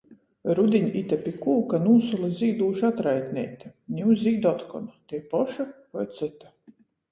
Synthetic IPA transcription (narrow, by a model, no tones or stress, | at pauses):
ɾud̪ʲiɲit̪ʲapʲikuːkanuːsulˠiziːd̪uːʃat̪ɾajt̪ʲnʲɛjt̪anʲiwzʲiːd̪ɔt̪kɔnat̪ɛjpɔʃakɔjt̪sɨt̪a